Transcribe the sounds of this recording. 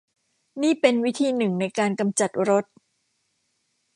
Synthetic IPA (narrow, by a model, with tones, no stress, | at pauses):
niː˥˩pe˧nwi˦˥t̪ʰiː˧nɯ˨˩ŋna˧jkaː˧nka˧mt͡ɕa˨˩t̪̚ɾo˦˥t̪̚